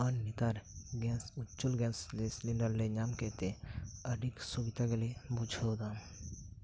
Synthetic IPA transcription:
anːit̪aɾɡɛ̃nsʊt͡ʃːulɡɛ̃ːsleslinɖəɾleɲaːmket̪eəɖiksubit̪aɡelebud͡ʒʱod̪a

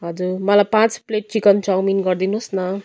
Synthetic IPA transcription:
ɦʌd͡zuɾmʌlajpãt͡spleʈ̚t͡ʃikʌnt͡ʃawminɡʌrd̪inusnʌ

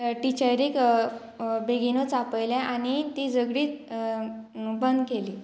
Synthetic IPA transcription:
ʈit͡ɕəjɾik | beɡinot͡sapəjljãʔaɽ̃it̪id͡zəɡɽiːt̪̚ | bənd̪keliː

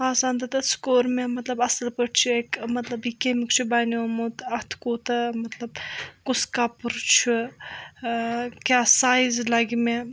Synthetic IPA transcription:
aːsaːnd̪ɐt̪ɐskoːɾmẽmɐt̪lɐbɐsɐlpəʈʰt͡ʃʰuekmɐt̪lɐbikemikt͡ʃʰubaːnomut̪ɐt̪ʰkoːt̪ɐmɐt̪lɐb̚kuskapuɾt͡ʃʰu | kʲaːsaːjizlɐɡmẽ

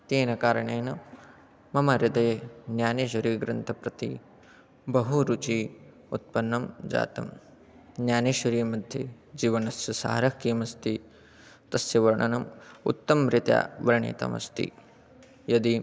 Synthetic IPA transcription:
t̪eːnɐkaːɾɐɳeːnɐ | mɐmɐɾɪd̪ɐjnjaːneːʃ̬ɐɾiːɡɾɐnt̪ʰɐpɾɐt̪i | bɐɦuɾut͡ʃi | ut̪̚pɐnːɐmd͡ʒa̰ːt̪ɐm | njaːneːʃɐɾiːmɐd̪ʱje | d͡ʒiːʋɐnɐsjɐsa̰ːɾɐkiːmɐst̪i | t̪ɐsjɐʋɐɾɐɳɐnɐmṵt̪ːɐmɾɪt̪ja̰ːʋɐɾɐɳḭːt̪ɐ̰mɐ̰st̪ḭ | jɐd̪i

